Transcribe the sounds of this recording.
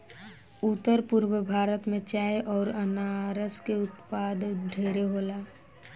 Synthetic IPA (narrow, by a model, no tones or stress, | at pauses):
ʊt̪ːəɾpʊɾwəbʱaːɾət̪mẽt͡ʃaːeʔɔːɾənaɾəskeʊt̪paːd̪ɖʱeːɾeɦoːlaː